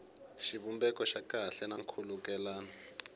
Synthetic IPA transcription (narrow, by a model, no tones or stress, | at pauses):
ʃiβumbɛkɔʃakʼaɬɛnaŋkʰulukɛlaːna